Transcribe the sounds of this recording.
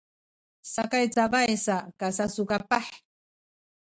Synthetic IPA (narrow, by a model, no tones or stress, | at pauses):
sakajt͡sabajsakasasʊkapɑħ